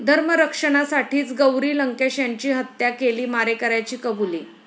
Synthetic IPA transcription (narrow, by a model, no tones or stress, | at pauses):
d̪ʱəɾməɾəkʂəɽ̃asaʈʰiːt͡sɡəwɾiːləŋkeɕjaɲt͡ɕiːɦət̪jakeliːmaɾekəɾajt͡ɕiːkəbulḭː